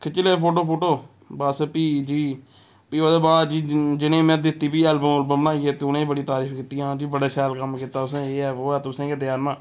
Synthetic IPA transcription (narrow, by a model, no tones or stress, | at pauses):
kʰɪt͡ʃɪleːpʰoːʈ̬oːpʰoːʈoː | bəspiːd͡ʒiː | piːoːd̪eːbaːd̪d͡ʒiːd͡ʒɪnẽːmɛ̃ːd̪ɪt̪ːiːpiːɛlbəməlbəmənãːiːeːt̪eːʊnẽːbəɽiːt̪aːɾiːfkiːt̪iːɦãːd͡ʒiːbəɽaːʃaːlkəmkiːt̪aːʊsẽːeːɛːʋoːɛːt̪ʊsẽːked̪jaːɾmãː